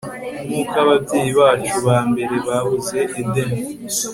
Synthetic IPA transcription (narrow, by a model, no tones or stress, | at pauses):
nuːkaβabɟeːjiβaːt͡ʃuβaːmbe̞ɾe̞βaβuze̞ʔedem